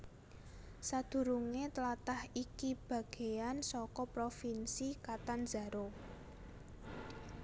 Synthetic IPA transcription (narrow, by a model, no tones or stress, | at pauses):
sad̪̥ṳɾuŋet̪əlat̪ahikib̥a̤ɡ̥e̤jansɔkɔpɾofinsikat̪anz̥a̤ɾo